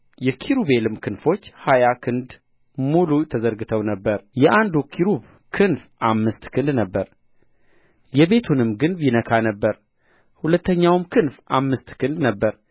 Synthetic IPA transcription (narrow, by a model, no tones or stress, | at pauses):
jɛkʰiɾuβe̞lɨmkʰɨnfo̞t͡ʃːhajakʰɨnd̪ | mulut̪ʰəzəɾɡɨt̪ʰəwnəbːəɾjɛʔand̪ukʰiɾuβ | kʰɨnfʔamːɨst̪kʰɨnd̪nəbːəɾ | jɛβe̞t̪ʰunɨmɡɨnbinəkʰanəbːəɾ | hulət̪ʰːəɲːawmkʰɨnfʔamːɨst̪kʰɨnd̪nəbːəɾ